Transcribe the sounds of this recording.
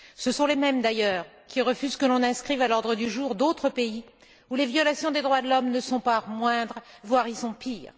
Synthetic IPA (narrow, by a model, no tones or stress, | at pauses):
səsɔ̃lemɛmd̪ajœːʁ | kʲiʁəfyzkəlɔ̃nɛ̃skχivalɔʁd̪ʁəd̪yʒuːʁd̪ot̪χəpei | ulevjɔlasjɔ̃d̪ed̪ʁwad̪əlɔmnəsɔ̃pamwɛ̃d̪ʁvwaʁilsɔ̃piːʁ